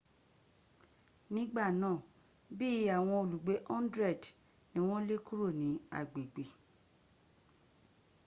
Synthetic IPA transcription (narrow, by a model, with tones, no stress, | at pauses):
nĩ˦ɡ͡ba˦˨nãː˦˨ | bi˦a˦˨w̃ɔ̃˧o˨lu˨ɡ͡be˨˦ʔɔ̃˦ndɾɛ˦˨d | nĩ˦w̃ɔ̃˦le˦ku˦ɾo˦˨nĩ˨˦a̰˨ɡ͡be˨ɡ͡be˨